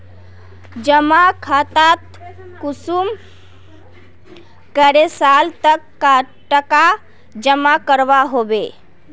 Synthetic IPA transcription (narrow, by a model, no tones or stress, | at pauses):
d͡ʒəmakʰat̪at̪ | kusum | kəɾesalt̪əkːa | ʈəka | d͡ʒəmakəɾʋaɦobe